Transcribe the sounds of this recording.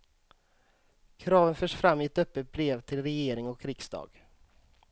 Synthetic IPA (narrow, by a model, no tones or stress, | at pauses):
kʰɾɑːvənfœːʂfɾamːɪɛt̪œpːət̪̚bɾeːvt̪ʰɪlɾɛjeːɾɪŋɔkʰːɾɪksd̪ɑ̰ːɡ